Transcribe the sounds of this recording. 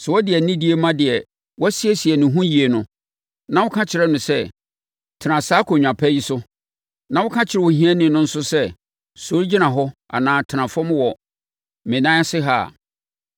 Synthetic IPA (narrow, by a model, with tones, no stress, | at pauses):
sɛ˨wɔ˦dɪ˨ɛ˨nĩ˦di˦e˦mã˦dɪ˨ɛ˨ | wɔ˦sɪ˦ɛ˦si˨ɛ˨nʊ̃˨ɦũ˦ji˨e˨nʊ̃˦ | nã˦wʊ˦kʰã˦t͡ɕʰɪ˨ɾɛ˦nʊ̃˨sɛ˦ | tʰɪ˨nã˨saː˦kʰo˨ɲᶣ˨ã˨pʰɛ˦ji˦sʊ˦ | nã˦wʊ˦kʰã˦t͡ɕʰɪ˨ɾɛ˦˨wo˦ɦĩ˦ɛ˦nɪ̃˨nʊ̃˦n̩˦sʊ˦sɛ˦ | so˨˦ɾi˦d͡ʑi˦nã˨ɦɔ˦a̰˨nãː˨˦tʰɪ˨nã˨fã˦m˦wɔ˨ | mɪ̃˨nã˦sɪ˦ɦa̰ː˦˨